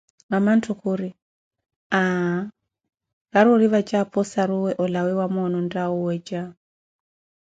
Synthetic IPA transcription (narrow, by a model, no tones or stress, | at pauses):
ŋamantʰukʰuɾi | a | kaɾɔɺiβat͡ʃapʰɔsaɾuwɛʔɔlawɛwamɔnɔndauwɛd͡ʒa